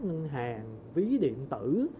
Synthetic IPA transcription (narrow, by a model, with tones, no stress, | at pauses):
ŋə˧ŋɦaː˨˩ŋ | vi˨˦ɗḭ˧˨ənt̪ɨ˧˩